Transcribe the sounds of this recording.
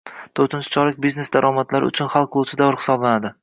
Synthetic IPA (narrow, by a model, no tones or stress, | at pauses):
t̪ʰoɾt̪ɪnt͡ʃʰɪ̥t͡ʃʰɒɾɪk̚ʲbiznesd̪aɾʔɒmat̪laɾɪʊ̰t͡ʃʰʊnχalˠqʰɨlˠut͡ʃʰɪd̪avɪɾχɪ̥sɒblanad̪ɪ